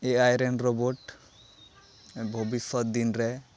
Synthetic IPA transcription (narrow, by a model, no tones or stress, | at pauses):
eʔajɾɛnɾoboʈ | bʱobisɔt̪̚d̪inɾɛ